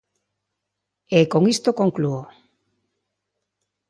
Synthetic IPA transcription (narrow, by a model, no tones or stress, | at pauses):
ekoŋist̪okoŋkluo